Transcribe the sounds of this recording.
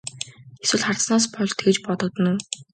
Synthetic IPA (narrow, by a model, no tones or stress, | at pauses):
eswɘ̆ɮχart̪snaːs̬pɔɮt̪ɡet͡ɕpɔt̪ɞ̆k̚t̪ə̆nuw